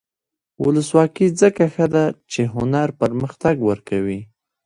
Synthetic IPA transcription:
wʊləswɑkizəkaxəd̪at͡ʃeɦʊnaɾpəɾməxt̪aɡwəɾkawi

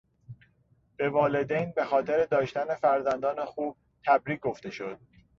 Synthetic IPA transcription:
b̥e̞vɒːle̞d̪ejnbe̞xɒːt̪ʰe̞ɾed̪ɒːʃt̪æne̞fæɾzænd̪ɒːnexuːb̚ | t̪ʰæbɾiːk̚ɡo̞ft̪e̞ʃo̞d̪̥̚

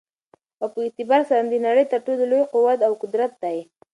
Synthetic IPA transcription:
awpəɪt̪ɪbɑɾsaɾand̪ənaɽəjt̪əɾʈololojqʊwat̪awkʊd̪ɾat̪̚d̪aj

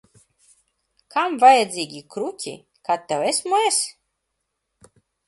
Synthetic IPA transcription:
kʰamvajad̪zʲiːɡʲikɾucʲḭ | kat̪ːɛwɛsmuɛs

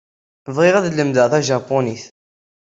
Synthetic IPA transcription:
vʁɪʁæðləmd̪əʁθæʒɑpːʊniθ

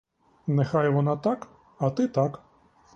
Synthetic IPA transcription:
nexɑjʋɔnɑt̪ɑk | ɐt̪ɪt̪ɑk

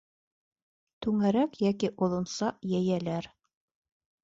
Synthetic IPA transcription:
t̪ʉŋæɾækjækiʔŏðˠŏnsɑʔjæjælæɾ

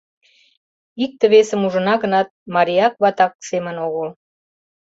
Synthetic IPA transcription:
ik̚t̪ə̆βesəmuʒənɑɣənɑt̪̚mɑɾʲiɑk̚βɑt̪ɑk̚semənoɣəl

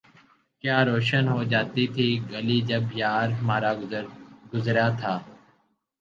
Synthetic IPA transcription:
kjaːɾoːʃənɦoːd͡ʒaːt̪iːt̪ʰiːɡəliːd͡ʒəbjaːɾɦmaːɾaːɡʊzɾjaːt̪ʰaː

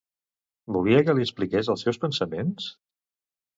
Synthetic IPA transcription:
buliəkəliəsplikezəlˠsɛwspənsəmens

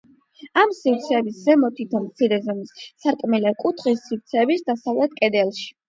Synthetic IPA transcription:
amsiɾt̪sʰɛːbiszɛmɔt̪ʰit̪ʰɔnmt̪sʰiɾɛzɔmissaɾkʼmɛlɛkʼut̪ʰχisːiɾt̪sʰɛːbisd̪asavlɛt̪̚kʼɛd̪ɛlˠʃi̥

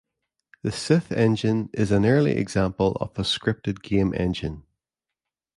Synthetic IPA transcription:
ðəsɪθɛ̃nd͡ʒɪ̃nɪzə̃nɜ˞lˠḭʔɪ̰ɡz̥ãmpəlˠə̰v̥ðəskɹɪp̚tɪd̚ɡẽmʔɛ̰̃nd͡ʒɪ̃n

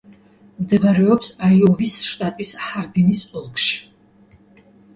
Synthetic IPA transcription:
md̪ɛvaɾɛɔpsaiɔvisʃt̪ʼat̪ʼishaɾd̪inisɔlˠkʰʼʃi̥

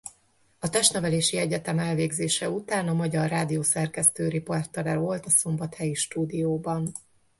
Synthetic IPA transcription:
ɒt̪ɛʃt̪nɛvɛleːʃiɛɟɛt̪ɛmɛlveːɡzeːʃɛut̪aːnɒmɒɟɒrːaːd̪ijoːsɛrkɛst̪øːɾiport̪ːɒlɛɾolt̪ɒso̞mbɒt̪hɛjiʃt̪uːd̪ijoːbɒn

